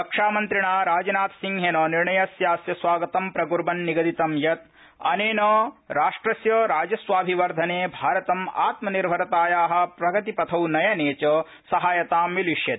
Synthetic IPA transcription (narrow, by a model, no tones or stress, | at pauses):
ɐkʂaːmɐnt̪ɾiɳaːɾaːd͡ʒɐnaːt̪siŋɦeːnɐːniɾɳɐjɐsjaːsjɐsʋaːɡɐt̪ɐmpɾɐɡuɾbɐnːiɡɐd̪it̪ɐmjɐt̪̚ | ɐneːnɐːɾaːʂʈɾɐsjɐːɾaːd͡ʒɐsʋaːbʱiʋɐɾd̪ʱɐneːbʱaːɾɐt̪ɐma̰ːt̪mɐniɾbʱɐɾɐt̪aːjaːɦɐ̆pɾɐɡɐt̪ipɐt̪ʰɐwnɐjɐneːt͡ʃɐ | sɐɦaːjɐt̪aːmʋiliʃjɐt̪